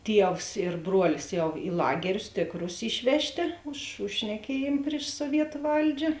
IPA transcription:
ˈtʲiɛws ɪr ˈbruɔlʲɪs ˈjɛʊ ɪ ˈlˠɑːɡʲɛrʲʊs ˈtʲeːkˌrʊs ˈɪʃʲʋʲɛʃʲˌtʲeː ʊʃ ʊʃ ʃʲnʲɛˈkʲiɛjeːm pʲrʲɪʃ suɔˈʋʲiɛtʊ ˈʋɐlʲd͡ʒʲɛ

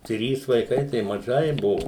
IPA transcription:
ˈtʲrʲiːs ʋɐɪˈkɐɪ tɐɪ mɐˈʒɐɪ ˈbʊʋoː

